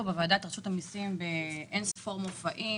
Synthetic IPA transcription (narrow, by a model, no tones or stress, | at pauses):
obevaːdat̪ʁaʃutamisimbeʔensfoʁmofaʔi